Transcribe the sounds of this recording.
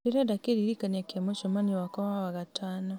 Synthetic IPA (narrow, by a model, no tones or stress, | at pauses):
eɾadakeɾiɾikanakjamoʃɔmaniwakɔwawaɣataːnɔ